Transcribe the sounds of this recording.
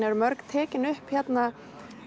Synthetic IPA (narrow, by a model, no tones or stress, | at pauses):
nɛɾmœɾkt̪ʰɛːcɪnʏhpçɛt̪na